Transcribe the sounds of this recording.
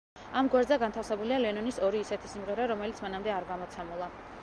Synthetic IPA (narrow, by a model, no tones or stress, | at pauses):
amɡwɛɾd̪zɛɡant̪ʰafsɛbulialɛnɔnisɔɾiːsɛt̪ʰisimʁɛɾɛɾɔmɛlit̪sʰmanamd̪ɛaɾɡamɔt̪sʰɛmulˠa